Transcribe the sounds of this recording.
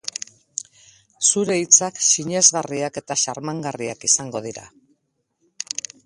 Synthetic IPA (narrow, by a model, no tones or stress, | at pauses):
suɾe̞it͡sakʃiɲe̞zɣariake̞t̪aʃaɾmaŋɡariakisaŋɡo̞ð̞iɾa̰